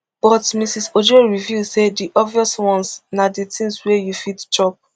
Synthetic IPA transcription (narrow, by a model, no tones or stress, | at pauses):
b̥ɔtmisisod͡ʒoɹivjusediʔɔbviɔswɔ̃nsnaditʰĩŋswɛjufitt͡ʃɔp̚